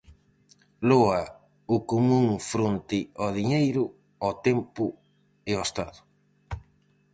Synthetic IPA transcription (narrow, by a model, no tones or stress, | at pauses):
loɐ | ʊkomũŋfɾont̪ɪɔðiɲejɾʊ | ɔt̪ɛmpʊ | ɪoest̪aðʊ